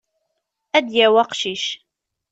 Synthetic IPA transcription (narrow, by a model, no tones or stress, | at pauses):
ʔæd̪jæwɑqʃiʃ